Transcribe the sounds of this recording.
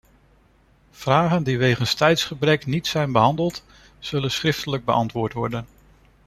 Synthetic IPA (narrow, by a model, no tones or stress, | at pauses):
v̥raːχəndiʋejχənstɛjtsχəbrɛknitsɛjnbəɦɑndəlˠt | z̥ɵlənsχrɪftələɡ̚bəʔɑntʋʊːɹtʋɔɹdən